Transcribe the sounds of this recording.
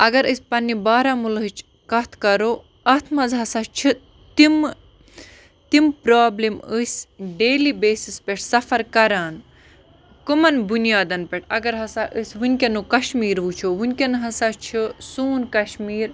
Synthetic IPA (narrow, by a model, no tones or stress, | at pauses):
ɐɡɐɾəsʲpɐnːibaːɾamulɦɨt͡ʃʰ | kɐt̪ʰkɐɾoː | ɐt̪ʰmɐzɦɐsat͡ʃʰi | t̪im | t̪impɾaːbliməsʲɖeːlibeːsispeʈʰsɐfɐɾkɐɾaːn | kɨmɐnbunijaːd̪ɐnpeʈʰɐɡɐɾɦɐsaːʔəsʲʋunʲkʲɐnokɐʃmiːɾʋut͡ʃʰoʋunʲkʲɐnɦɐsat͡ʃʰisuːnkɐʃmiːɾ